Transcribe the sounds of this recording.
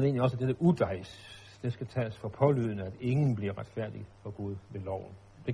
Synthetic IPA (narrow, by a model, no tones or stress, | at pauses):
e̝̰ːnliɒ̽səæd̥edəʔud̥ɑ̈ɪs | d̥e̝sɡ̥æt͡sʰɛ̰ːsfɒ̽pʰɒ̽lyðˠnəæd̥e̝ŋn̩b̥liɐʁad̥fæɐ̰d̥ifɒ̽ɡ̥uð̞ˠʋe̝lɒʊ̰n̩ | d̥e̝